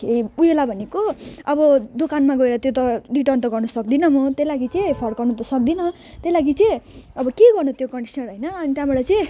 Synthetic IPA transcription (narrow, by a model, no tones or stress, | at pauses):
eɾiujelabʱʌnekoʌbʌd̪okanmaɡʌeɾʌt̪jot̪̬ʌɖiʈʌrnt̪ʌɡʌrnʌsʌkd̪inʌmʌt̪elaɡit͡sʌpʰʌrɡʌrnut̪ʌsʌk̚d̪inʌ | t̪elaɡit͡sʌʌbʌkeɡʌrnut̪jokʌɳɖisʌnɦʌjnʌːnit̪jãbʌɽʌt͡sʌ̃